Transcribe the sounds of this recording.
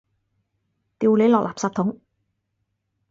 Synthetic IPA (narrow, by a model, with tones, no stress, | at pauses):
t̪iː˧wle˨˧jlɔː˨k̚laː˨psaː˧p̚t̪ʰʊ˨˥ŋ